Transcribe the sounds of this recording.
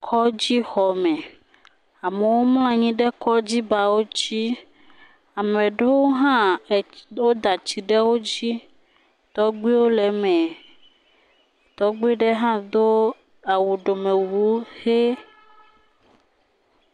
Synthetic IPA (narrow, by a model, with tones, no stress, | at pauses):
kʰɔ˦d͡ʑi˦xɔ˨mɛ̃˨ | a˨me˨wo˦ml̃ã˨ɲĩ˦ɖɛ˦kɔ˦d͡ʑi˦ba˨wo˦t͡ɕi˦ | a˨mɛ̃˨ɖe˦wo˦ɦã˦˨ | wo˦d̪a˨t͡ɕi˨ɖɛ˦wo˦d͡ʑi˦ | t̪ɔ˦ɡ͡bi˦wo˦lɛ˨mɛ̃˨ | t̪ɔ˦ɡ͡bi˦ɖɛ˦ɦã˦d̪o˦ | a˨wu˨ɖo˨me˨wu˨˦xe˦